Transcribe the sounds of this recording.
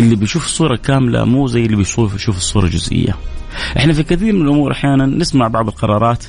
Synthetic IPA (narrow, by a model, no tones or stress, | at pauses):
ʔɪlːibɪjʃuːfsˤːuːɾˤɑkaːmla̰muːzajːɪlːibɪjuːfʃuːfɪ̥sˤːuːɾˤɑd͡ʒʊzʔɪ̰jːa̰ʔɪħnafikɪθiːɾmɪnalʔʊmuːɾˤʔaħjaːnanːɪsmaʕbɑʕd̪ˤɨlqɑɾˤɑːɾˤɑːt̪